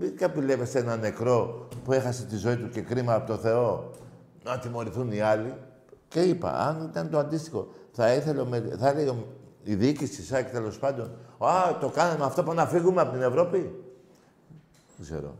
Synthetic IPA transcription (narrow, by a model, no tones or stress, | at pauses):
mikɐpile̞ve̞senɐne̞kɾo̞pue̞xɐset̪izo̞it̪uce̞kɾimɐːpot̪oθe̞o̞ | nɐt̪imo̞ɾiθuniɐli | ce̞ipɐ̰ɐ̰nit̪ɐnt̪oɐnd̪ist̪ixo̞θɐiθe̞lomeθɐlejomiðicisisɐcet̪e̞lo̞spɐnd̪o̞nat̪o̞kɐnemɐft̪o̞puɐnɐfiɣumeɐpo̞t̪ine̞vɾopi | eɡze̞̰ɾo̞̰